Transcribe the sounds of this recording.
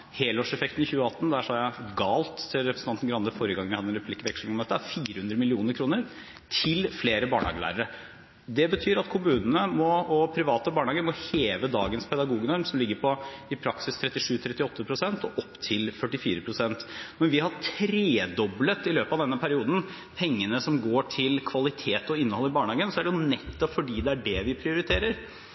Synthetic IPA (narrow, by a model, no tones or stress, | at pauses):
heːlɔʂɛfɛkt̪n̩ɪçʉːəɑt̪ːn̩d̪æʂɔhɑɾjæɪɡɑːlt̪ʰːɪlɾɛpɾəsɑnt̪n̩ɡɾɑnəfɔɾəɡɑŋənɪhɑd̪ənɾɛpʉlɪkːʋɛkʂl̩mɔmd̪ɛt̪ːəæɾfiːɾəhʉnd̪ɾəmɪlɪuːnəɾkʰɾuːnəɾ | t̪ʰɪlfleːɾəbɑːɳhɑ̰ːɡəlæ̰ːɾəɾə | d̪ɛbət̪ʰyːɾɑt̪kʰʊmʉːnənəmɔɔpʰɾɪʋɑːt̪əbɑːɳɑːɡəɾmɔheːʋəd̪ɑːɡənspʰɛd̪ɑɡuːɡnɔɾmsɔmlɪɡːəɾpʰɔɪpʰɾɑksɪst̪ʰɾɛt̪ːɪʂʉːt̪ʰɾɛt̪ːɪɔt̪ːəpʰɾʊsɛnt̪ɔʔɔpːt̪ʰɪlfœʈːɪfiːɾəpʰɾʊsɛnt̪mɔɾʋɪhɑʈʰɾeːd̪ɔblət̪ɪløːpəɑʋd̪ɛnːəpʰæɾɪuːd̪n̩ | pʰɛŋːənəsɔmɡoːʈʰɪlkʰʋɑlɪt̪ʰeːt̪ɔɪnːəhɔlːɪbɑːɳhɑːɡənsɔæɖɛjʊnɛt̪ːɔpfɔɖiːd̪ɛæɖɛʋɪpʰɾɪʊɾɪt̪ʰeːɾəɾ